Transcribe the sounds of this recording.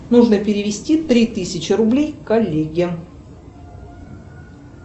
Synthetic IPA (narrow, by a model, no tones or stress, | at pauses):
nuʐnəpʲɪɾʲɪvʲɪsʲtʲit̪ɾʲit̪ɨsʲɪt͡ɕɪɾʊblʲejkɐlʲːeɡʲɪ